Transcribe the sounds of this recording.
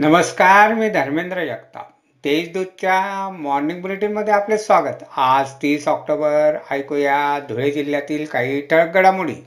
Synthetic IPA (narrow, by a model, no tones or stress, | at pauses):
nəməskaɾmiːd̪ʱəɾmend̪ɾəjəkt̪a̰ | t̪eit͡sd̪ud̪̚t͡ɕjamɔɾniŋɡbuleʈinməd̪ʱːjeaplesʋaɡət̪ad͡zt̪iːsɔk̚ʈobəɾa̰jkojad̪ʱuɭed͡ʑiljat̪iːlkaɦiːʈʰəɭk̚ɡəɽamuɽḭː